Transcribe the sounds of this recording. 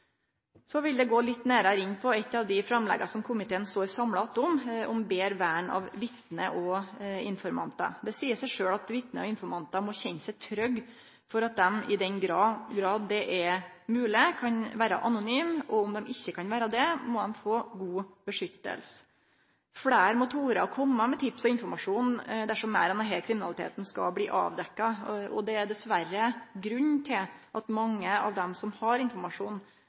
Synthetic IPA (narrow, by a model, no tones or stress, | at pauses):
sɔʋɪld̪ɛɡoːlɪt̪ːnæːɾɑɾɪnːpʰɔɛt̪ːɑʋd̪ɪfɾɑmlɛ̰ɡɑsɔmkʰʊmɪt̪ʰeːnst̪oːɾsɑmlɑt̪ːʊmʔʊmbeːɾʋæːɳɑ̰ʋʋɪt̪nəʔɔɪnfɔɾmɑ̰nt̪ɑ̰d̪ɛsiːəsæɪʂøːɭɑt̪ʋɪt̪nəɔɪnfɔɾmɑnt̪ɑmɔçɛnːsæɪt̪ʰɾœɡ | fɔɾɑt̪̚d̪ɛmɪd̪ɛnɡɾɑɡɾɑːd̪ːɛʔɛ | mʉːlɪkʰɑnʋæːɾə̰ʔɑnʊnyːmɔʊmd̪ɛmɪçːəkʰɑnʋæːɾəd̪ɛmɔd̪ɛmfoːɡuːbəʂʏt̪ːə̰ls | fɽæːɾmʊt̪ʰuːɾɑɾkʰɔmːəmɛt̪ʰɪpsɔɪnfɔɾmɑʂuːnd̪æʂɔmːæ̰ːɾɛnd̪ɛɦɛkʰɾɪmɪnɑlɪt̪ʰḛːt̪n̩skɑ̰bliːʔɑ̰ːʋd̪ɛkːɑɔ̰d̪ɛæɾd̪ɛsʋæɾəɡɾʉɲt̪ʰɪlʔɑt̪mɑŋːəɑ̰ʋd̪ɛmsɔmhɑɾɪnfɔɾmɑʂuːn